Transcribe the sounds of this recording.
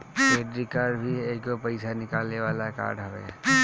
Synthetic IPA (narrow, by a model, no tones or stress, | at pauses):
peːɖɾikaːɾbʱieːkopɐɪsanɪkaːlneʋaːlaka̰ːɾɖɦɐʋḛː